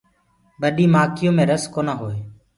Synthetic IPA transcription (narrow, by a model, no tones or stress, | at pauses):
ɓəɗiːmaːkɪjõːmẽːɾəskoːnaːɦoːeː